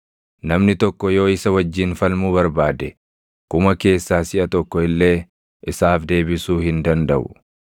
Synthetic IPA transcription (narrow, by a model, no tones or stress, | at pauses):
nɐmnɪt̪ɔkːɔjo̞ːɪsɐwɐd͡ʒːɪːnfɐlmʊbɐɾbaːd̪ɛ | kʊmɐke̞ːsːaːsɪʔɐt̪ɔkːɔɪlːe̞ː | ʔɪsaːfd̪e̞ːbɪsuːhɪnd̪ɐnd̪ɐʔʊ̥